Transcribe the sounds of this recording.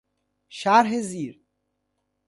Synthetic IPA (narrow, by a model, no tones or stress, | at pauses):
ʃaɾɦeziːɾ